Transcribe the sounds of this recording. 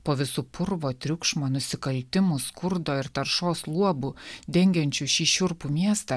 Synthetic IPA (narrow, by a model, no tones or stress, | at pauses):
poːʋʲɪsuːpʰʊɾʋoːt̪ʲɾʲʊkʃmoːnʊsʲɪkɐlʲt̪ʲɪmʊskʊɾd̪oːɪɾt̪ɐɾʃoːslˠuɔbud̪ʲɛŋʲɡʲɛnʲt͡ʃʲuʃʲiːʃʲʊɾpumʲiɛst̪ɑ